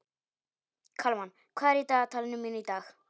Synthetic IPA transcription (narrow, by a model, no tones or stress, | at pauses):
kʰɐlman | kʰaɾit̪at̪ʰalnuminit̪akʰ